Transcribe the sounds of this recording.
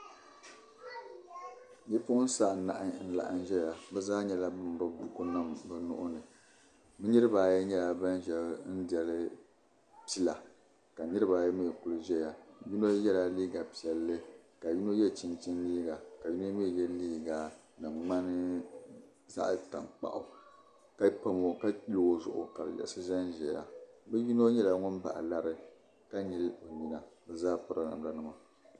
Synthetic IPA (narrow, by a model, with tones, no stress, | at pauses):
ɲi˦pʊ˦ʔʊ˦n̩˦sa˦˨na̰˨ʔɪ˦n̩˦la̰˨ʔɨ̰˦n˦ʒɛ˦ja˨bɛ˦zaː˦ɲɛ˦la˦bɨ˦m˨bɨ˦bu˨ku˦nɨ˦˨mbɨ˨nʊ̰˦ʔʊ˦nɨ˨ | mɨ˦ɲɨ˦ɾɨ˦ba˨jɛ˦ɲɛ˦la˨ba˦n˦ʒɛ˦bn̩˦dɛ˨lɨ˦ | pi˦la˨ | ka˨nɨ˦ɾɨ˦ba˨jɛ˦mi˦ɛ˨ku˦lɨ˦ʒɛ˦ja˨ju˦no˦jɛ˦la˨liː˦ɡa˨pi˨ɛ˨lːɨ˦ka˨ji˦no˦jɛ˦˨t͡ʃi˦nt͡ʃi˦nliː˦ɡa˨ka˨ji˦no˦mɨ˦˨jɛ˦liː˦ɡa˨ | nɨ˨ŋ͡ma˦nɨ˦ | za̰˦ʔta˨ŋk͡pa̰˨ʔʊ˨ | ka˦pa˦mo˨ka˦i˦lo˦zʊ̰˨ʔʊ̰˨ka˨bɨ̰˨jɛ̰˦˨ʔsɨ˦ʒɛ˦nʒɛ˨ja̰˨bɨ˦ji˦no˦ɲɛ˦la˦ŋʊ˦nba̰˨ʔa̰˨la˦ɾɨ˦ | ka˦ɲi˦lo˨ɲi˦na˨bɨ˨zaː˦pɨ˦ɾɨ˨na̰˨m˦la˦nɨ˦ma˨